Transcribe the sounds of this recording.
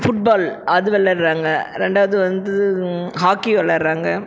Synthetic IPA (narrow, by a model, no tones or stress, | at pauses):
fʊʈ̚baːlɐðɯʋɛɭːɐɾɾaːŋɡɐɾɛɳɖaːʋɐðɯʋɐnd̪ɯɯɦaːkːiʋɛlːɐɾɾaːŋɡɐ